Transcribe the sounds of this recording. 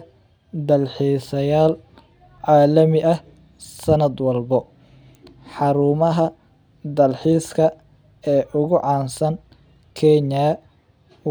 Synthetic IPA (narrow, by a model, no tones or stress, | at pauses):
d̪ɐlħiːsɐjaːl | ʕaːlɐmɪʔɐh | sɐnɐd̪wɐlbɔ | ħɑɾuːmɐɦɐ | d̪ɐlħiːskʰɐ | ɛːʔʊɣʊʕɑːnsɐn | kʰɛɲa